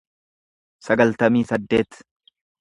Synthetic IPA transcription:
sɐɡɐlt̪ɐmiːsɐd̪ːe̞ːt̪

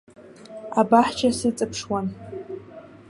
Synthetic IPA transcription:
abaħt͡ʃʰasɨt͡sʼɨpʰʂwan

